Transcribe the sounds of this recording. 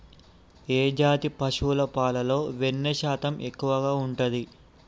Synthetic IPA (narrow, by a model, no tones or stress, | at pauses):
eːd͡ʒaːt̪ipɐʃulɐpaːlɐlo̞ːʋenːɐʃaːt̪ɐmʔekːuʋɐɡaːuɳʈɐd̪i